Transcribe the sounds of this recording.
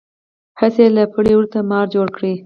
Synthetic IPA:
həselapəɽewəɾt̪amɑɾd͡ʒoɽkɽi

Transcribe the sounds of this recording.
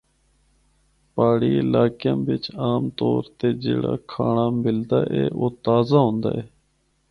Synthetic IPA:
paːɽiːɪlaːkjãːʋɪt͡ʃaːmt̪oːɾt̪eːd͡ʒeːɽa̰ːkʰaːɳaːmɪld̪aːʔḛːʔoːt̪aːzaːɦõːnd̪a̰ːɦɛː

